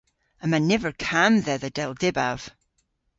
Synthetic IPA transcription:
əmãnːɛvə˞kʰãmðɛðəd̥ɛlˠdɪbav̥

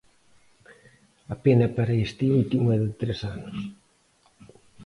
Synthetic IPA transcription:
apenɐpaɾeest̪iult̪imoɛðɪt̪ɾesanos

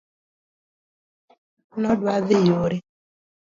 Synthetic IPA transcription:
nɔdwaðɪjoɾe

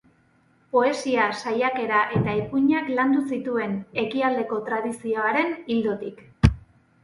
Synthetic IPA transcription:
po̞e̞siasajake̞ɾaʔe̞t̪aepuɲakland̪usit̪ue̞ne̞kiald̪e̞ko̞t̪ɾað̞isio̞aɾe̞nild̪ot̪ik

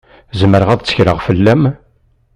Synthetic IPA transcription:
zəməɾəʁæðt͡sːə̥çɾəʁfəlːæm

